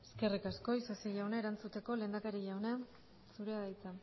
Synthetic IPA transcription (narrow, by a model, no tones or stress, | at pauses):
eske̞rikasko̞isosiaʝawnaeɾant͡sut̪e̞ko̞le̞ːnd̪akaɾiʝawna | suɾeaðajt͡sa